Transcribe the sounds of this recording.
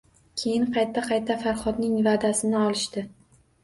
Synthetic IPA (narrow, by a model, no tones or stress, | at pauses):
kʲʰe̞jɪnqʰɑjt̪ʰːaqʰɑjt̪ʰafaɾχɒd̪nɪŋvad̪asɪnɪɒlˠɪʃt̪ɪ